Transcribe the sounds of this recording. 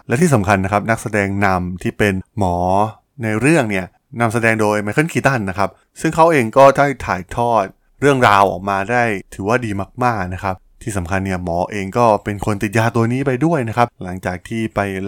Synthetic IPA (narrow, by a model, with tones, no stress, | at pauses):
lɛː˦˥wt̪ʰiː˥˩sa˩˦mkʰa˧nːa˦˥kʰa˦˥p̚na˦˥k̚sa˧dɛː˧ŋna˧mt̪ʰiː˥˩pe˧nmɔː˩˦ | na˧jɾɯ˥˩əŋni˥˩ɐ | na˧ms̬a˧dɛː˧ŋdoː˧jma˧jkʰɯ˥˩˨ŋkʰiː˧˩t̪a˥˩nːa˦˥kʰa˦˥p̚ | sɯ˥˩ŋkʰa˦˥wʔeː˧ŋkɔː˥˩t̪ʰa˥˩jt̪ʰaː˨˩˦jt̪ʰɔː˥˩t̪̚ | ɾɯ˥˩əŋɾaː˧wʔɔ̰ː˨˩k̚maː˧daː˥˩jt̪ʰɯː˩˦waː˥˩diː˧maː˥˩k̚maː˥˩k̚na˦˥kʰa˦˥p̚t̪ʰiː˥˩sa˩˦mkʰa˧nːi˥˩ɐmɔː˩˦ʔeː˧ŋkɔː˥˩pe˧nkʰo˧nt̪i˨t̪̚jaː˧t̪u˧ɐniː˦˥pa˧jdu˥˩əjna˦˥kʰa˦˥p̚la˩˦ŋt͡ɕaː˨˩k̚t̪ʰiː˥˩pa˧j